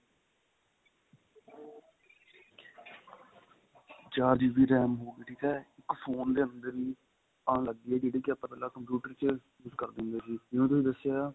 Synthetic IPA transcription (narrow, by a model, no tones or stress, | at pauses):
d͡ʒaːd͡ʒiːʋiːɾɛːmɦoːɡeʈiːt̪ɛːɪkpʰoːnd̪eːənd̪əɾiː | ãːləɡd̪iːɛːd͡ʒeːɽiːkɪaːpːpɛːlaːkəmpjuːʈəɾt͡ʃ | juskəɾd̪ɪnd̪eːsiːɪũːt̪ʊsiːd̪əsːɪjaː